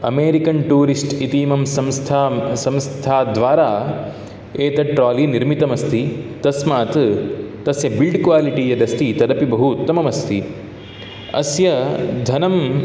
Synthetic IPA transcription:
ɐmeːɾikɐnʈuːɾisʈit̪iːmɐmsɐmst̪ʰasɐ̃mst̪ʰaːd̪ʋaːɾaː | eːt̪ɐʈɾaːliniɾmit̪ɐmɐst̪ʰit̪ɐsmaːt̪t̪ɐsjɐbilɖkʋaːliʈiːjɐd̪ɐst̪ʰit̪ɐɾɐpibɐɦut̪ːɐmɐmɐst̪ʰi | ɐ̰sjɐd̪ʱɐnɐm

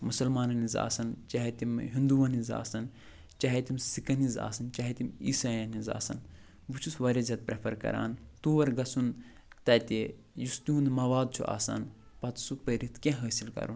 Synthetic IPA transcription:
musɐlmaːnɐniza̰ːsɐnt͡ʃɐɦet̪imɦĩnd̪uʋɐniza̰ːsɐn | t͡ʃaɦet̪imsikɐniza̰ːsɐnt͡ʃɐɦet̪imḭsaːjɐniza̰ːsɐ̰n | but͡ʃʰusʋɐɾʲɐzʲɐt̪̚pɾɐpʰɐɾkɐ̰ɾa̰ːnt̪uːʋɐɾɡɐsun | t̪ɐːt̪e | just̪uunmɐʋaːd̪̚t͡ʃʰṵʔa̰ːsa̰n | pɐt̪supəɾit̪ʰkʲẽɦəːsilkɐ̰ɾun

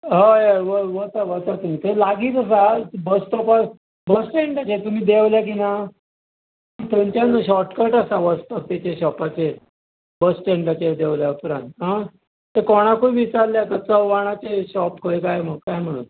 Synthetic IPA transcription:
ɦə̃eʋəʋət̪aʋət̪at̪um̤iːt̪elaɡiːt͡s̪əs̬abəsʈ̪ɔpa | bəsʈeɳʈat͡ɕet̪um̤iːd̪eʋljak̬ina | t̪ent͡ɕanːəɕɔɾʈkəɾʈasaʋəst̪əkt̪et͡ɕeɕɔpat͡se | bəsʈeɳʈat͡ɕed̪eʋljaupɾãnt̪ɦã | t̪ekoɽ̃akubit͡sallːjat̪at͡səwʋaɽ̃at͡seɕɔpkʰoekajməɡkajm̤əɽṵːn

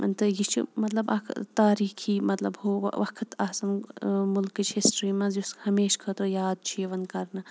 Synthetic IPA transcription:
t̪ɨjit͡ʃʰḭmɐt̪lɐbɐ̰kʰt̪aːɾiːkʰiːmɐt̪lɐbɦo̰ʋɐkʰt̪ʰaːsɐmmʊlkɨt͡ʃʰɦisʈɾiːmɐ̃zushɐmeːʃkʰɐt̪ojaːd̪̚t͡ʃʰieʋɐnkɐɾnɨ

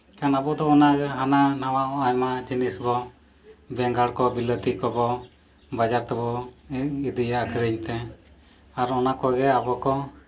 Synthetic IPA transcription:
kanabɔd̪ɔːnaɡɛɦananawaʔɔajmad͡ʒinisbɔ | bɛŋɡaɽkɔbilət̪ikɔbɔ | bad͡ʒaɾt̪ɛbɔ | id̪ijakʰɾəɲt̪ɛ | aɾɔnakɔɡɛabɔkɔ

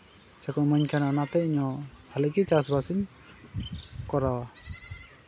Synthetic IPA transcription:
sɛkɔmɔɲkʰananat̪ɛiɲɔhalɛkit͡ʃasbasin | kɔɾawa

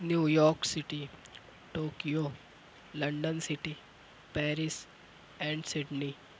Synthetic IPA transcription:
njuːjɔːɾksɪʈi | ʈoːkijo | lɐ̃ɳɖənsɪʈi | pɛːɾɪs | ɛ̃ːɳɖsɪɖni

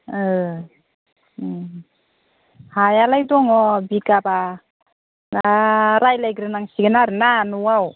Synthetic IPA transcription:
ɯ | hajalajdɔŋɔbikaba | naɾajlajɡɾɯnaŋsiɡɯnaɾɯnanuwaw

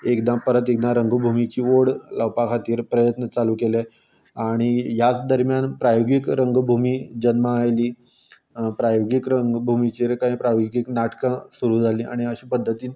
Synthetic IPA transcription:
ekd̪ãpəɾət̪ek̚d̪ãɾəŋɡbʱumit͡ɕiːʋoɽlawpakʰat̪iːɾpɾəjət̪nət͡saluːkele | aɽ̃ijat͡sd̪əɾmjanpɾajoɡikɾəŋɡbʱumiːd͡ʑənməajliː | pɾajoɡikɾəŋɡbʱumit͡ɕiːɾkaĩpɾajoɡiɡiknaʈkə̃suɾuːd͡zʱaliːa̰ɽ̃iəɕiːpəd̪ʱːət̪iːn

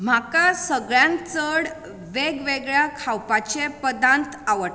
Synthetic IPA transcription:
m̤akasəɡɭjãnt͡səɽ | ʋeɡʋeɡɭjakʰawpat͡ɕepəd̪ãnt̪aʋəʈ

